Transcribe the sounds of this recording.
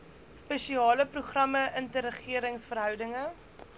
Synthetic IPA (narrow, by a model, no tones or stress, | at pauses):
spəʃiɑːləpruχrɐməʔəntəɾəχiəɾəŋsfərɦœwdəŋə